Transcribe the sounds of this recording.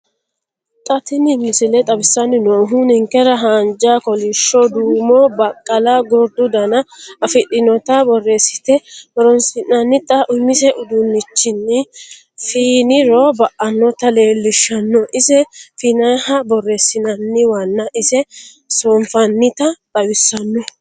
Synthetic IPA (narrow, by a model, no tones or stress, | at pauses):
t̪ʼɐt̪ɪnɪmːɪsɪlɛt̪ʼɐbɪsːɐnːɪnoːɦʊnhɪŋkɛɾɐɦaːnd͡ʒakɔlɪʃːɔd̪uːmɔbɐkʼːɐlaɡɔɾd̪ʊd̪ɐnɐɐfɪɗɪnɔt̪ɐbɔre̞ːsːɪ̥t̪ɛbɔɾɔnsɪnɐnːɪt̪ʼɐʔʊmːɪsɛʔʊd̪ʊnːɪt͡ʃːɪnːɪ | fiːnɪɾɔbɐʔɐnːɔt̪ɐle̞ːlːɪʃːɐnːɔʔɪsɛfiːnɐhɐbɔrːe̞ːsːɪnɐnːɪwɐnːɐʔɪsɛ | soɱfɐnːɪt̪ɐt̪ʼɐbɪsːɐnːɔ